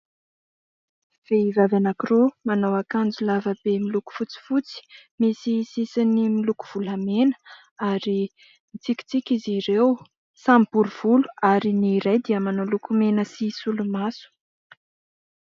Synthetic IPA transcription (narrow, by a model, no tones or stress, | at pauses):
v̥eivavanakiromanawakand͡zulavəbemiluku̥fut͡si̥fut͡si̥misisisinimiluku̥v̥uləmenə̥ | aɾi | mit͡siki̥t͡sikʲiziɾew | sambuɾuv̥ulu̥aɾiniɾajd̪iəmanolukumenəsisulumasu̥